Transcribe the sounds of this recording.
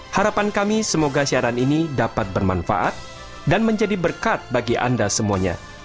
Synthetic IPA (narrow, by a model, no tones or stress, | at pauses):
haɾapankamisəmoɡasiaɾaninidapat̪̚bərma̰nfa̰ʔat̪̚ | danməɲd͡ʒadibərkat̪̚baɡiʔa̰ndasəmuaɲa̰